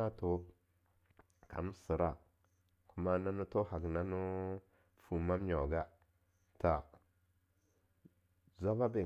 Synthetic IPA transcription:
a˦to˨ | ka̰˨nu˦si˨ɾa˦ | ku˦ma˦na˦nu˦to˦ha˨ɡna˦nu˦ | fu˨ma˦m˦ɲo˨ɡa˦ | ta˨ | za˦ba˦be˨

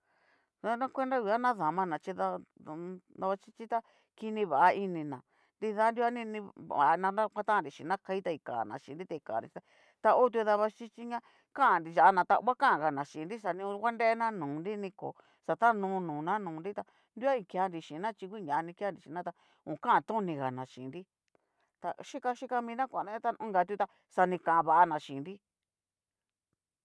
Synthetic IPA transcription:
a˧˦nã˦kʷe˦nɾa˦i˧˨a˦nã˦ða˨mã˧nã˨t͡ʃi˧ða˧ | d̪a˧βa˧t͡ʃi˦t͡ʃi˦t̪a˦ | ki˧nĩ˧βa˨ʔa˧i˧nĩ˧nã˨ | ndi˧ða˧˦nd̪i˧˦a˦nĩ˧nĩ˧βa̰˨˧nã˧ã˦kʷã˦t̪ã˦˧˨ɾi˨ʃḭ̃˨˧nã˦ka˧i˦t̪a˧i˧˨ka̰˨nã̰˨ʃḭ̃˨nɾi˦t̪e˧ka̰˨ɾḭ˨˦˧t̪a˧ | t̪a˧o˦t̪̬u˧ða˧βa˧t͡ʃi˦t͡ʃi˦ɲã˦ | ka˦˨nɾi˧ʒa˨a˧nã˧t̪a̰˧˦a˦kã˦ã˨ɣa˨nã˨ʃi˨nɾi˦sa˨nĩ˧ũ˧kʷa˦nde˦e˦nã˦nũː˨nɾi˦nĩ˧ko̰˨ | sa˨t̪ã˦nũː˧˦nũː˨nã˦nũː˨˧nɾi˦t̪a˧ | nd̪u˦a˦ĩ˧kja˧nɾi˧ʃĩ˨˧nã˦t͡ʃi˧kʷi˦˧ɲã˨˧nĩ˧ka˦nɾi˨ʃĩ˨˧nã˦t̪a˧ | ũː˨kã˦ã˧t̪ũ˦˧nĩ˧ɣa˨nã˨ʃḭ̃˨nɾi˦ | t̪a̰˧ʃi˦ka˧ʃi˦ka˧mĩ˧nã˦kʷã˨na˦ã˦t̪a˦ũ˦ŋɡa˨˧t̪u˧˦t̪a˧ | sa˧nĩ˧kã˨ʔa˧βa˨ʔa˧nã˨ʃĩ˨nɾi˦

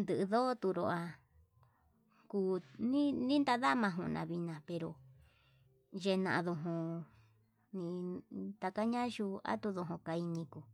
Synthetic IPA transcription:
nd̪ɨ˧ʔɨ˧ðo˦t̪u˧ɾo˧ʔa˧ | kuː˧nĩ˦nĩ˦nd̪a˧ða˦mã˧ɦũ˧˨˧nã̰˧βi˧nã˧˨pe˧ɾo˧ | ʒe˧nã˧ʔðo˧ɦõ˧ | nĩ˧t̪a˧ka˦ɲã˦ʃu˧a̰˦t̪u˧ðo˧ɦõ˧ka˧i˧nĩ˧ku˧˨

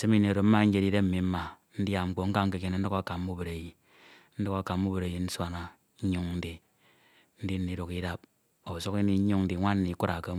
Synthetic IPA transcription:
se˦mi˦ni˨ɾo˨m̩˦ma˦ŋ̩˦d͡ʒe˦di˦de˦m̩˨mi˨m̩˦ma˨n̩˦dja˦˨ŋ͡m̩˦k͡po˦ŋ̩˦ka˦ŋ̩˦ke˨ke˦na˨n̩˦du˦ka˦˨ka˨m˦u˦be˨ɾe˨ji˨ | n̩˦do˦ka˨˦ka˨˦u˦be˨ɾe˨ji˨n̩˦swa˦na˨ | ɲ̩˦ɲu˦ŋn̩˦di˨ | n̩˦di˦n̩˦ni˨do˨ki˦da˦p̚ | o˨so˦ki˦ni˦u˦ŋn̩˦di˨ŋʷa˦n̩˦ni˨˦ku˦ɾa˨ke˦

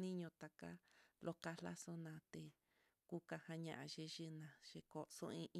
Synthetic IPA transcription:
nĩ˦ɲõ˧t̪a˨ka̰˦lʔo˧ka˧lla˦so˦nã˧t̪e˨ | ku˦ka˧hã˧ɲã˧ʔã˧ʒe˧ʒɨ˦nã˧ʒ̥e˧ko˨so̰˦ĩ˧ʔ

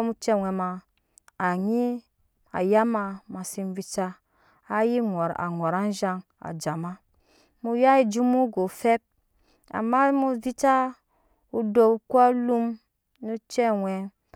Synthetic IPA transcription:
mu˦t͡ʃɛ˦wʷɛ˨maː˨ | ɲi˦ | a̰˨ja˦ma˨ma˨si˦nvi˦t͡ʃa˦ | a˦ji˦ŋɔ˨ɾa̰˨ŋɔ˨ɾa˦nʒa˦ŋ | a̰˨d͡ʒa˨ma˦ | mu˨ja˦i˨d͡ʒu˦mu˦ɡo˨fe˦p̚ | a̰˨mːa˦mu˦vi˦t͡ʃa˦ | u˦do˨u˦kʷa˦lu˦m | nu˦t͡ʃɛ˦wɛ˨

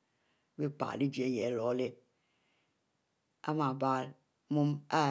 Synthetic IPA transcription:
bi˦k͡pa̰˨li˦d͡ʒe˨˦je˨˦lɔ˨˦le˦ | a̰˦ma˨ba˦ | mu˦ma˦

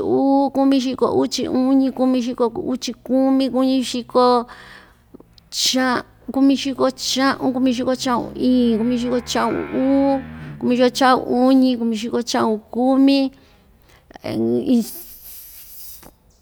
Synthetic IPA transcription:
uː˦ku˦mĩ˧ʃ̬i˧ko̰˧˨ʔu˦t͡ʃḭ˧ũ˦ɲĩ˧ku˧mĩ˧ʃ̬i˧ko˧u˦t͡ʃi˧ku˦mĩ˧ku˧˦ɲĩ˧ʃi˧ko˧ | t͡ʃã˧ | ku˧mĩ˧ʃi˧ko˧t͡ʃã˦ʔũ˧k̬u˧mĩ˧ʃ̬i˧ko˧t͡ʃã˦˧ṵ̃˧˨ĩː˨ku˧mĩ˧ʃ̬i˧ko˧t͡ʃã˦ṵ̃˧uː˦ku˧mĩ˧ʃi˧ko˧t͡ʃã˦ṵ̃˧u˦ɲĩ˧k̬u˧mĩ˧ʃ̬i˧ko˧t͡ʃã˦˧ũ˧ku˦mĩ˦ | ĩ˧

